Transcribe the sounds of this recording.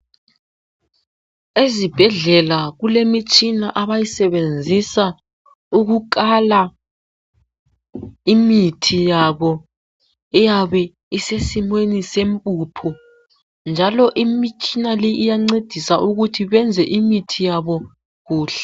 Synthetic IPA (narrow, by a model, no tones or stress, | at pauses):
ezib̥ʱɛɮɛlaɣulemit͡ʃʼinaʔaβajisɛβend͡zʱisa | uɣukala | imitʰijaβɔ | ɛjaβɛ | isesimwenisempʼupʰɔ | nd͡ʒʱalɔʔimit͡ʃʼinaliʔijaŋ͡ǀed̥ʱisaʔuɣutʰiβɛnd͡zʱɛʔimitʰijaβɔ | ɣuːɬɛ̥